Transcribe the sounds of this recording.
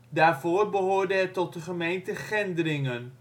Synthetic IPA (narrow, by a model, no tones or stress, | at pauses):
daːrvoːrbəɦoːrdəɛtɔt̚dəχəmejntəχɪndəɾɪŋən